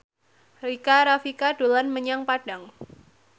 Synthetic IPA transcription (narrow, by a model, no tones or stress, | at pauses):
rikaɾafikad̥olanməɲaŋpad̥aŋ